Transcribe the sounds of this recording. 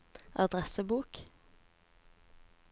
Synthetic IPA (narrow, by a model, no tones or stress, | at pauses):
ʔɑd̪ʁɛsəbuːk